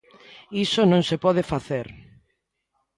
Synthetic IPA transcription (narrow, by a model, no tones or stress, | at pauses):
isonõŋsepɔðefaθeɾ